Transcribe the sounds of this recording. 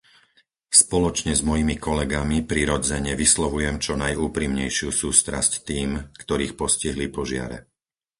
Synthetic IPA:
spɔlɔt͡ʃɲɛzmɔjimikʰɔlɛɡamipɾiɾɔd͡zɛɲɛʋislɔʋujɛmt͡ʃɔnajuːpɾimɲɛjʃɪusuːst̪ɾa̰sct̪iːmkt̪ɔɾiːxpɔsciɦlipɔʒɪa̰ɾɛ̰

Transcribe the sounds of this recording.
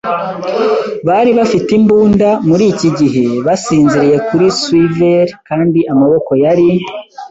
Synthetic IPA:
βaɾiβafitimbuːndamuɾiːciɟiɦe̞βasiːnziɾije̞kuɾiswiveɾkaːndiʔamaβo̞ko̞jaɾi

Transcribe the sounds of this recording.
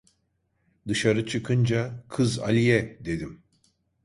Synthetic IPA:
d̪ɯʃaɾɯt͡ʃʰɯkʰɯnd͡ʒakʰɯza̰lʲijɛd̪e̞d̪im

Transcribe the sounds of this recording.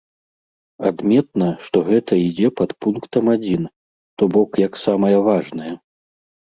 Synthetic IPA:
a̰d̪mʲɛt̪̚nɐʂt̪ɔɣɛt̪ɐid͡zʲɛpɐt̪punkt̪ɐmad͡zʲin | t̪ɔbɔkjɐksamɐjɐvaʐnɐjɐ

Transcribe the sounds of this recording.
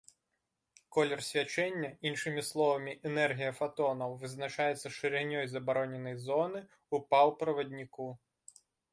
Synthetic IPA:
kɔlʲɔrsʲʋʲɐt͡ʃɛnʲːɐinʃɪmʲislˠɔʋɐmʲiʔenɛrɦʲijɐfɐt̪ɔnɐwʋɪznɐt͡ʃɑjet͡sʲːɐʃɪɾʲeɦnʲɔjzɐbɔɾɔnʲenɔjzɔnɪ | upɑw̪ˠpɾɔʋɐdʲnʲɪku

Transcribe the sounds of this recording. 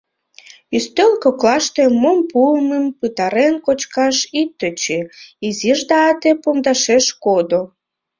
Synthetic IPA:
yst̪ølkoklɑʃt̪emompuməmpɨt̪ɑɾenkot͡ɕkɑʃit̪ːət͡ɕeiziʒd̪ɑɑt̪epomd̪ɑʃeʃkod̪o

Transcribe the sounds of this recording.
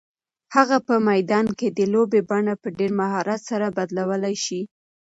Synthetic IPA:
haɣapəmajd̪ɑnked̪əlobebaɳapəɖeɾmaɦɑɾat̪saɾabad̪lawəlajʃi

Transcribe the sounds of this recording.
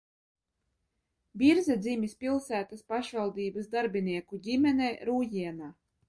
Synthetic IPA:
bʲiɾzɛd̪zʲimʲispʲilˠsæːt̪aspaʃvalˠd̪iːbasd̪aɾbʲiniɛkuɟʲimʲɛnɛjɾuːjiɛnaː

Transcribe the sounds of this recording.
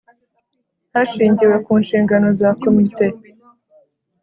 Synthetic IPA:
haʃiːɲɟiwe̞kuːnʃiːŋɡano̞zako̞mite̞

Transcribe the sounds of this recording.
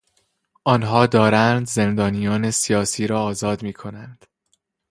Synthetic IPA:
ʔɒːnɦɒːd̪ɒːɾænd̪ze̞nd̪ɒːnijɒːnesijɒːsiːɾɒːzɒːd̪miːkʰo̞nænd̪̥

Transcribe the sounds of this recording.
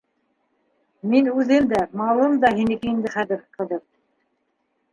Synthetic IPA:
minʉðɘmd̪æmɑlˠɤmd̪ɑɦinɘ̆kɘ̆jɘmd̪ɘχæðɘɾqʰɤ̆ðɤɾ

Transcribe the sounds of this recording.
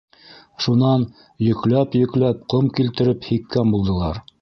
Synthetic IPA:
ʃunɑn | jɵ̆klæpjɵ̆klæp̚qomkilt̪ɘ̆ɾɘphik̪kænbulˠd̪ɤ̆lˠɑ̰ɾ

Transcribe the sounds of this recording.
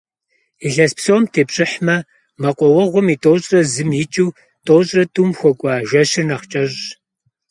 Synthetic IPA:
iɬɐspsoːmtʰeːpɕʼɪħmɐ | mɐqʷʼɔwɐʁʷʊmiːtʼoːɕʼrɐzɨmjɪt͡ʃʼiw | tʰʼoːwɕʼrɐtʰʼumxʷɔkʷʼɑːʒʷɐɕɪnɐχt͡ʃʼɐʑ

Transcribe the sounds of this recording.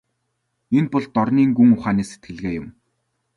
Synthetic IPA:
enpɔɮt̪ɔrniːŋɡuŋʊχaːniːse̥t̪̚ɡɘ̆ɮɣeːjʊm

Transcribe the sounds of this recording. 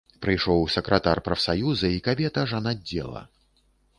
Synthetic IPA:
pɾɨjʂɔwsɐkɾɐt̪arpɾɐfsajuzɐikabʲɛt̪ɐʐanad͡zʲːɛ̰lˠɐ̰

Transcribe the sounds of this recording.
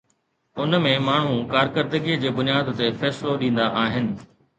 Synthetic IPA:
ʊnmẽmaːɳ̤ũkaːɾkəɾd̪əɡiːd͡ʑeːbʊnijaːd̪t̪efɛːsloɗĩːn̆d̪aʔaːɦɪnɪ̆

